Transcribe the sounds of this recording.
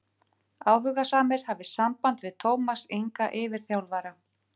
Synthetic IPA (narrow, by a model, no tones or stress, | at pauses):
aːwɦʏɣasaːmɪɾ̥havɪsampant̪vɪðt̪ʰoːwmasiŋkaʔɪvɪɾ̥θjawlvaɾa